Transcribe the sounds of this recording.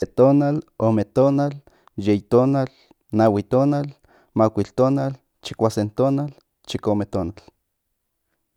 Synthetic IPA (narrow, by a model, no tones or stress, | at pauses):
et̪oːnalomet̪oːnal | jeit̪oːnal | nawit̪oːnal | makʷilt̪oːnal | t͡ʃi̥kʷasent̪oːnal | t͡ʃikomet̪oːnal